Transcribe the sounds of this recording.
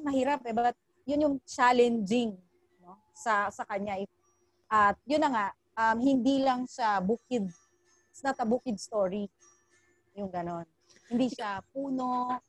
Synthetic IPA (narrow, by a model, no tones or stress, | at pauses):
mɐhɪɾap̚d̪ɛbaat̪̚ | jʊnjʊŋt͡ʃaːlɛnd͡ʒɪŋ | no̞ | sɐsɐkɐɲaʔɛ | ʔɐt̪̚jʊnːɐŋaʔ | ɐmhɪnd̪ilɐŋʃabuːkɪd̪̚ | snɐt̪ɐbuːkɪd̪̚st̪oɾi | jʊŋɡɐno̞n | hɪnd̪iʃap̚uːno̞